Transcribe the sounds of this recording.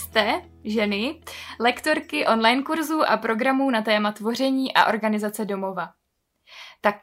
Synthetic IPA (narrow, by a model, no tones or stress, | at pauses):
st̪ɛ | ʒɛnɪlɛkt̪o̞ɾkɪʔo̞nlajnkuɾzuːʔa̰pɾo̞ɡɾamuːnat̪ɛːmat̪vo̞r̝ɛɲiːʔa̰ʔo̞̰ɾɡanɪzat͡sɛdo̞mo̞va | t̪ak